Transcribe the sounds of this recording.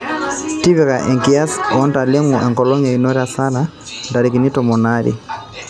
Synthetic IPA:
ti˦βiɣa˨ʔɛ˨ŋkia˦sɔ˨ɔ˦nta˨le˦ŋɔ˨ʔɛ˨ŋkɔlɔ˦ɲa˨inɔ˦ɾa˨sa˦na | nda˨ɾi˨ki˨ni˦tɔmɔ˨na˦ɾḭ

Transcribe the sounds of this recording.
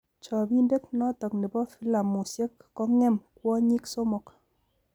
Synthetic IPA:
t͡ʃɔ˨bi˦nde˦knɔ˦tɔ˨kni˨bɔ˦fi˦la˨mu˨sje˦kːɔ˦ŋɛ˦˨mkwɔ˦ɲi˦kso˦mɔ˨k

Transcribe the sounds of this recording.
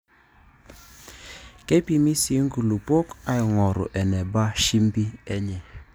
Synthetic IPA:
ke˦pi˨mi˦si˨˦ŋ˦ɡu˨lu˨po˦ka˨jŋɔ˨ɾʊ̰˨ʔɛ˨nɛ˨ba˦ʃi˦mbi˦ɛ˦ɲɛ˨

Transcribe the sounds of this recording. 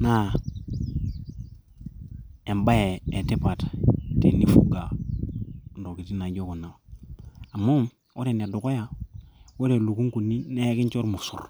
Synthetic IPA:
na˦ | e˨mba˦je˨e˨te˦pa˨tte˨ni˦fṵ˦ɡa˨ | ndo˨ki˨ti˦na˨ɟo˦ko˨na˨ | a˨mːo˦m | ʔo˦ɾe˨ni˨a˨du˨ko˦ja˨wo˦ɾe˨lu˨ku˦ŋku˨ni˦ne˦je˦ki˦nt͡ʃo˦ɾmu˨sṵ˨ɾ

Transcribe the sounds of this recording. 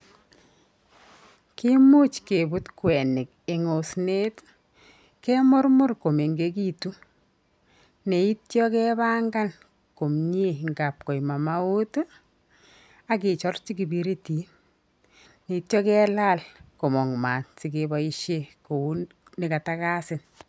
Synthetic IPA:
kɪ˦mʊ˦t͡ʃke˨bu˦tkwɛ˨nɪ˨k̚ | ɪ˨ŋo˨sne˦t | kɛ˦mʊ˦rmʊ˦rko˨me˨ŋɡe˦ki˦tu˦ | ne˨i˦tjɔ˦kɛba˦ŋɡa˦n | ko˨mɲe˦˨ŋɡa˨p̚kɔ˨jma˨ma˦u˦t | a˦k̬ɪ˨t͡ʃɔ˦rt͡ʃiki˨bi˦ɾe˦ti˨n | ne˨i˨tjɔ˦kɛ˦la˦lko˨mɔ˨ŋma˨tɪ˨keba˦i˦ʃe˦ko˨u˦ | nɪ˨ka˨ta˦ka˦sɪ˨n

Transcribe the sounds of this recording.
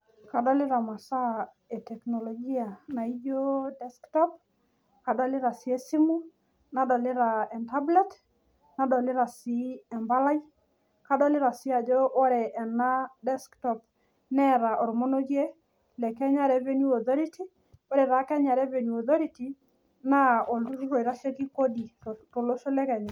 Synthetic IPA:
ka˨dɔ˦le˦ɾa˨ma˨sa˦ | e˨tɛ˨knɔ˨lɔ˨ɡi˦a˨na˨i˦d͡ʒo˦dɛ˦sktɔ˦p̚ | ka˨dɔ˦le˦ɾa˨si˨˦ɛ˦si˦mu˦ | na˨dɔ˨le˦ɾa˨ɛ˨nta˦blɛ˦t | na˨dɔ˨le˦ɾa˨si˦ɛ˨mba˦la˦i˦ | ka˦dɔ˦le˦ɾa˨sɪ˦a˨d͡ʒo˦ʔo˦ɾɛ˨ʔɛ˨na˦dɛ˦sktɔ˨p̚ | nɛ˦ɾa˨ʔɔ˨ɾmo˦no˦ɡje˦ | lɛ˨kɛ˦ɲa˦ɾɛ˦ve˦nu˦ɔ˨θɔ˦ɾi˦ti˦ | o˦ɾe˨ɾa˨˦kɛ˦ɲa˨ɾɛ˦ve˨nu˨ɔ˨ðɔ˦ɾi˦ti˨ | na˦o˨ldu˦ɾu˦ɾo˨i˨ɾa˦ʃe˦ki˦ko˦di˨to˨lo˦ʃo˦lɛ˦kɛ˨ɲa˨

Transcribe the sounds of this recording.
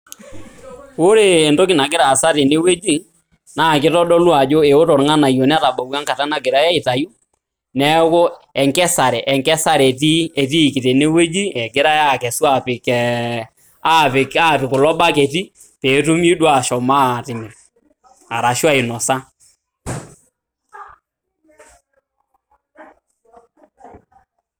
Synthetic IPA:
wo˦ɾeː˦˨ndo˦kɪ˨na˨kɪ˦ɾa˨sa˦te˨ne˦we˦d͡ʒi˦ | na˦˨kɪ˦tɔ˦ɗɔ˦lu˦a˨d͡ʒo˦e˨o˦tɔ˨ɾŋa˦na˨jo˨nɛ˦ta˨ɓa˨wa˦ŋka˨ta˦na˨ɡɪ˨ɾa˦ja˦i˨ta˨ju˦ | nɛ˦ko˦ɛ˨ŋkɛ˦sa˨ɾɛ˨ʔɛ˨ŋkɛ˦sa˦ɾe˨ti˦ɛ˨ti˦˨kɪ˨te˨ne˦we˦d͡ʒi˦ɛ˨ɡɪ˦ɾa˦ja˦˨kɛ˨su˦a˨pɪ˨kɛ˨ | a˦pɪ˨a˦˨pɪ˨kʊ˨lɔ˦ɓa˦kɛ˨ti˦ | pe˨˦tu˦mi˦dwa˨ʃɔ˨ma˦˨tɪ˨mɪ˨ɾ | a˨ɾa˨ʃwa˦i˨nɔ˨sa˦

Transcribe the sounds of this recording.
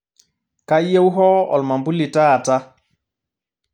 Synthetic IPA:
ka˦je˦wɦɔ˦ɔ̰˨lma˨mbu˦li˨ta˦˨ta˦

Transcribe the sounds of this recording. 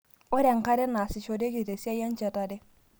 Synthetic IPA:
o˦ɾɛ˨ŋ˨ka˦ɾɛ˦na˨sɪ˨t͡ʃo˨de˦ki˨te˨si˦a˦ja˦n˦t͡ʃɛ˨ta˨dɛ˦

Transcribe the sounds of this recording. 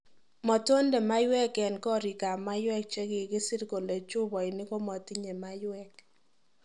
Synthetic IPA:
mɔ˨to˦ndɛ˨ma˦jwɛ˦kɛ˨nkɔ˦ɾi˨ka˨ma˦jwɛ˦k̚t͡ʃɛ˦kɪ˨kɪ˦sɪ˦ɾko˨le˨t͡ʃʊ˦bɔ˨ɪ˨nɪ˦ko˦mɔ˨ti˦ɲe˨ma˦jwɛ˦k

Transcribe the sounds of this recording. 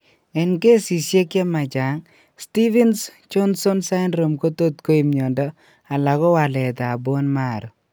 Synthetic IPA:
ɛ˨nke˦si˨sje˦kɛ˦ma˨d͡ʒa˨ŋ | sti˦vɛ˦nst͡ʃɔ˦nsɔ˦nsa˦ɪnɾo˨mko˦t̪o˦t̪̚ko˦i˨mɲɔ˨ndɔ˦ | a˨la˨ɡɔ˦wa˨lɛ˨t̪aː˨bo˦nma˦˨ɾ

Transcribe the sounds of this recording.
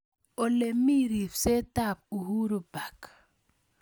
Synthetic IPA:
ɔ˨le˨mi˦ɾi˨fse˦ta˦˨p̚u˨hu˦ɾu˨ba˨k

